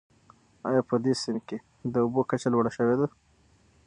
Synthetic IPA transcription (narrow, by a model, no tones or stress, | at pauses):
ɑ̰jɑpəd̪esɪnke | d̪əubokat͡ʃalwəɽaʃəwed̪a